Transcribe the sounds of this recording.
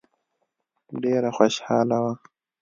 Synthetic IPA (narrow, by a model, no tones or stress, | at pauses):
ɖeːɾaxwaʃhaːlawa